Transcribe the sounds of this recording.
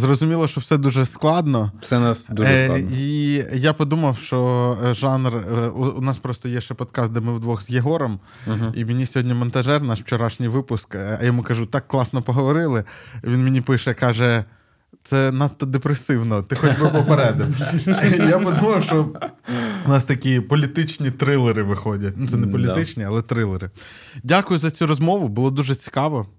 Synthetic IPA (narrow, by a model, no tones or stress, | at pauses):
zrɔzʊmʲilˠɔʃt͡ʃɔwsɛd̪uʒɛsklˠɑd̪nɔsɛnasd̪uijapɔd̪umɐwʃt͡ʃɔʒɑnrunɑspɾɔst̪ɔjɛʃt͡ʃɛpɔd̪̚kɑsd̪ɛmɪwd̪ʋɔxzjeɦɔɾɔm | ɦimʲenʲisʲɔɦɔdʲnʲimɔnt̪ɐʒɛrnɑʃwt͡ʃɔɾɑʃnʲijʋɪpʊskɐ̰jɐmukɐʒut̪ɑkːlˠɑsnɔpɔɦɔʋɔɾɪlˠɪʋʲinmenʲipɪʃɛkɑʒɛ | t̪sɛnɐt̪ːɔd̪epɾesɪwnɔt̪ɪxɔtʲbɪpɔpeɾɛd̪ʊ | japɔd̪umɔjʊʃt͡ʃɔ | ʊnɑst̪ɐkʲipɔlʲit̪ɪt͡ʃnʲit̪ɾɪlˠeɾɪʋɪxɔdʲɐt̚ʲnut̪ɛnɛpɔlʲit̪ɪt͡ʃnʲiɐlˠɛt̪ɾɪlˠeɾɪ | dʲakʊjʊzɐt͡sʲuɾɔzmɔʋʊbʊlˠɔd̪uʒɛt͡sʲi̥kɑʋɔ